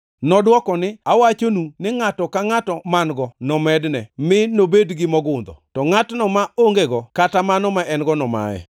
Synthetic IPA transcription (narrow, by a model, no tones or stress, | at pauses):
nɔdwɔkɔnɪawat͡ʃonunɪŋatɔkaŋatɔmanɡɔnɔmɛdnɛmɪnobedɡɪmɔɡʊnd̪ɔ̰tɔŋatnɔmaoŋɡeɡɔkatamanɔmaʔɛnɡɔnɔma̰ɛ̰